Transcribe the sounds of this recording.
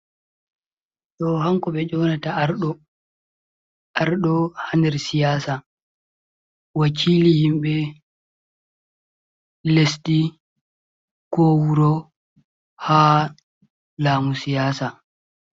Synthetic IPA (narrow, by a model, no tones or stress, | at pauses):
ɗɔhaŋkɔɓɛd͡ʒɔːnataɾɗɔ | ʔaɾɗɔhandɛɾsijaːsa | wakʰiːlihimɓɛ | lesti | kɔwuɾɔ | haː | laːmusijaːsa